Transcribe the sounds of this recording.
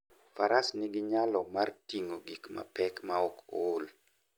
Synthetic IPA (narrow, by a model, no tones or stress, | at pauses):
faɾasnɪɡɪɲalɔmartiŋoɡikma̰pɛkmaɔkol